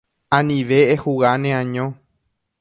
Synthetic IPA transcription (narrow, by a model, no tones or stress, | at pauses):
ãnĩʋe̞ːhuɣanẽãɲõ